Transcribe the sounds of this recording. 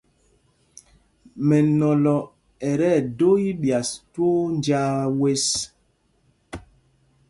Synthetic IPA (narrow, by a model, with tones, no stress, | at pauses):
mɛ˨nɔ˨lɔ˨ | ɛ˨ɾɛ˦˨do˦i˦ɓja˨stwo˦nd͡ʒa˦we˦s